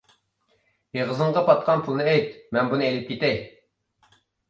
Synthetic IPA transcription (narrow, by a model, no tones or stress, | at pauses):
jeʁəzəɴʁɑpʰɑt̪̚qʰɑnpʰulˠnɨɛjt̪mɛnbunɨɛjlɪp̚kʲʰit̪ɛj